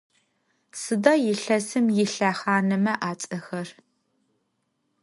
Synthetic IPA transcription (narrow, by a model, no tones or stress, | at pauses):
sɨdɐjɪɬɐsɨmjɪɬaːχaːnɐmɐʔaːt͡sʼɐxɐr